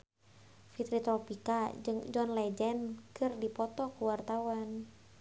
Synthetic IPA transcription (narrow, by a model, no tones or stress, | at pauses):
fit̪ɾit̪ɾɔpikad͡ʒɨŋd͡ʒɔnlɛd͡ʒɛnkɨrdipɔt̪ɔkuwart̪awan